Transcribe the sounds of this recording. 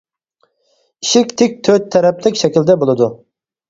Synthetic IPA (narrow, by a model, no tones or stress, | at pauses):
iʃɪkʲt̪ʰɪk̚ʲt̪ʰːøt̪ʰːɛɾɛplɪkʲʃɛkʲild̪ɛbolˠɨd̪u